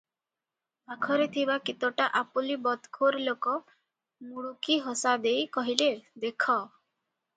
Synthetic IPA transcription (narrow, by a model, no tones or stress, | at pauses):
bakʰɔɾet̪ʰibakit̪ɔʈaʔapulibɔt̪kʰoɾlokɔ | nuɽukiɦɔsad̪ejkɔɦiled̪ekʰɔ